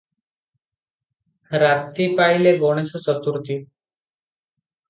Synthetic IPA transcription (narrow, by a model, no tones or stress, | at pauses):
ɾat̪ipaileboɽ̃esɔt͡sɔt̪uɾt̪i